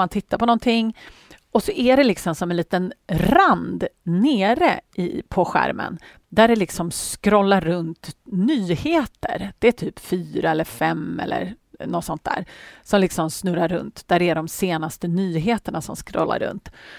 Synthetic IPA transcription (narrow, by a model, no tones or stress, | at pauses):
ant̪ʰɪt̪ʰːaɾpʰɔnɔnt̪ʰɪŋ | ɔsɔʔæɖɛlɪksɔmsɔmɛnliːt̪ənɾand̪neːɾəʔɪ̰pʰɔɧæ̰ɾmʔə̰n | d̪æɖɛlɪksɔmskɾɔlːaɾːɵnt̪nyːheːt̪ə̰ɾd̪̥ɛːt̪ʰyːpfyːɾaɛlːəɾfɛmɛ̰lːə̰ɾnɔt̪sɔnt̪d̪æ̰ːɾsɔmlɪksɔmsnɵɾaɾːɵ̰nt̪d̪̥æɖɛæɖɔmseːnast̪ənyːɦeːt̪əɳasɔ̰mskɾɔ̰lːa̰ɾɵ̰nt̪